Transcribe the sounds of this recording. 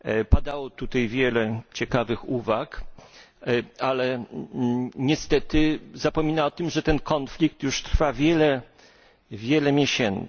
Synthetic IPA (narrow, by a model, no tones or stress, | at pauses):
pad̪awɔt̪ut̪ajvʲjɛlɛt͡ɕɛkavɘxuvak | alɛ | ɲɛst̪ɛt̪ɘzapɔmʲinaɔt̪ɘmʐɛt̪ɛnkʰɔnflʲik̚t̪juʂt̪ɾfavʲjɛlɛ | vʲjɛlɛmʲjɛɕɛn